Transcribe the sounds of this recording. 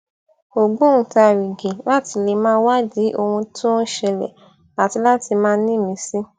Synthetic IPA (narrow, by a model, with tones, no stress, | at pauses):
o˨ɡ͡bõ˦ũ˨ta˧˨wi˨ɡe˨la˦ti˧le˧mãː˦wa˦d͡ʒi˨˦ʔo˧hũ˧tʰũ˦ʃɛ˧lɛ̰˨ | a˨ti˧la˦ti˧mãː˦nĩ˦˨mĩ˨˧˦si˦